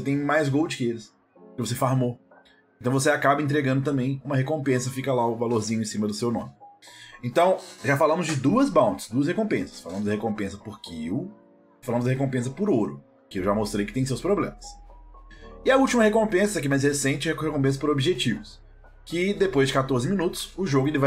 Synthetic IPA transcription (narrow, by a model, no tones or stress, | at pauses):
ooset̪ẽj̃majzɡowd͡ʒɪkɪelɪs | kɪvos̬efaɾmo | ẽt̪ɐ̃w̃vos̬eakabɐẽt̪̬ɾeɡɐ̃nd̪ʊt̪ɐ̃mbẽj̃ũmɐhekõpẽsɐfikɐlaʊvaloɾzĩɲʊẽsĩmɐd̪ʊsewnõ̰mɪẽnt̪ɐ̃w̃ʒafalɐ̃mʊzd͡ʒɪd̪uɐzbɐ̃w̃t͡ʃɪ̥sd̪uɐshekõpẽsɐ̥sfalɐ̃mʊzd̪ɪhekõpẽsɐpʊɾkiw | falɐ̃mʊzɪhekõpẽs̬ɐpʊɾoɾʊ | kɪewʒamost̪ɾejkɪt̪ẽj̃s̬ewspɾoblḛ̃mɐs | ɪɐut͡ʃimɐhekõpẽsɐsɛkimajs̬hesẽnt͡ʃɪhekõpẽs̬ɐ̥pʊɾobiʒet͡ʃivʊs | kɪd̪epojzd͡ʒɪkat̪oɾzɪmĩnut̪ʊ̥sʊʒoɡʊelɪva